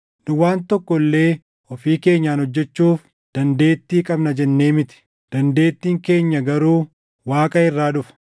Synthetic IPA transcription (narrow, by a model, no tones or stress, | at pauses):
nʊwaːnt̪ɔkːɔlːe̞ː | ɔfiːke̞ːɲːaːnhɔd͡ʒːɛt͡ʃːuːf | d̪̥ɐnd̪e̞ːt̪ːiːkʼɐbnɐd͡ʒɛnːeːmɪt̪ɪ̥ | d̪̥ɐnd̪e̞ːt̪ːiːŋke̞ːɲːɐɡɐɾuː | waːkʼɐɪrːaːᶑʊfɐ̥